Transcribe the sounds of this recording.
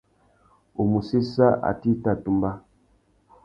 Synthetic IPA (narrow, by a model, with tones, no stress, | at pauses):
o˨mu˨si˦sa˦ʔa̰˨ti˦˨ta˦˨tu˦mba˦